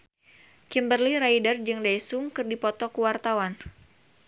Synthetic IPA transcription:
kimbərliɾaidərd͡ʒɨŋdajsuŋkɨrdipɔt̪ɔkuwart̪awan

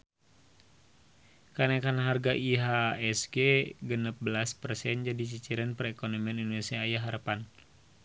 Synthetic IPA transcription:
kanakanɦarɡaʔiɦaɛsɡeɡənəp̚bəlaspərsɛnd͡ʒadit͡ʃit͡ʃiɾanpərɛkonomianindonesiaːjaɦaɾəpan

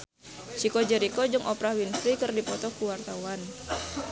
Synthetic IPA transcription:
t͡ʃikod͡ʒəɾikod͡ʒɨŋʔɔpɾawinfɾikɨrdipɔt̪ɔkuwart̪awan

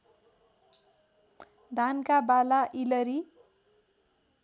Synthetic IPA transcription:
d̪ʱankabalaʔilʌɾi

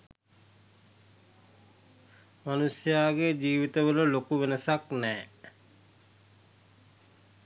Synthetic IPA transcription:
manusjaːɡed͡ʒiːʋit̪əʋələlokuʋenəsaknɛː

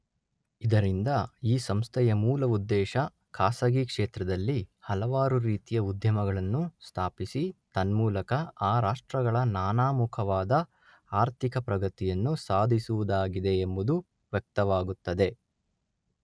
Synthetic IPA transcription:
id̪ɐɾind̪ɐiːsɐmst̪ʰɛjɐmuːlɐud̪ːɛːʃɐ | kʰaːsɐɡikʂeːt̪ɾɐd̪ɐlːihɐlɐʋaːɾuɾiːt̪ijɐud̪ʱjɐmɐɡɐɭɐnːust̪ʰaːpisit̪ɐnmuːlɐkɐaːɾaːʂʈɾɐɡɐɭɐnaːnaːmukʰɐʋaːd̪ɐ | aːɾt̪ʰikɐpɾɐɡɐt̪ijɐnːusaːd̪ʱisuʋud̪aːɡid̪e̞ːmbud̪u | ʋjɐk̚t̪ɐʋaːɡut̪ːɐd̪e̞

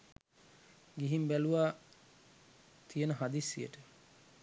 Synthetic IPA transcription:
ɡiɦimbæluʋaː | t̪ʰijənəɦad̪isːijə̰ʈə

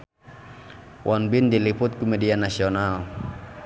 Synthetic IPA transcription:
wʔɔnbindiliput̪̚kumɛdianasiɔnal

